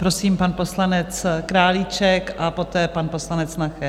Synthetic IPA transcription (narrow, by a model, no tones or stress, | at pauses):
pɾo̞siːmpanpo̞slanɛt͡skɾaːlit͡ʃɛkʔapo̞t̪ɛːpanpo̞slanɛt͡snaxɛ